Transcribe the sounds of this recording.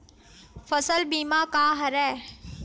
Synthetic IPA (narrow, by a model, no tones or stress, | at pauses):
fɐsəlbiːmãːkaːɦɐɾɛː